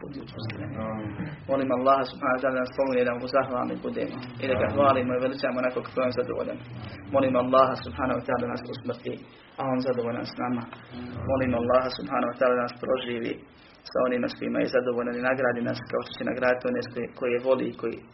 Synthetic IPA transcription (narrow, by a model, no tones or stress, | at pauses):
ud̪ut̪usiɾemmo̞liːmalˠːɑːɦasubhaːnohwat̪aːlːad̪anaspomined̪auzaxʋa̰ːlnḭbud̪eːmoid̪aɡaxʋaːlimoiʋelit͡ʃamonakokḁkojomzad̪oʋo̰ːʎa̰nmo̞liːmoalˠːɑːɦasubhaːnohowat̪aːlad̪anaːsusmrt̪i | ao̞ːnzad̪oʋoːʎa̰nsnamamo̞liːmoalˠːɑːɦasubhaːnowat̪aːled̪anaːspɾo̞ʒiːʋḭ | sa̰o̞niːmaskoiːma̰jezad̪oʋoːʎaninaɡɾaːd̪inaskao̞ʃt̪ot͡ɕena̰ɡɾaːd̪it̪io̞neskoko̞jeʋo̞lḭkojḭː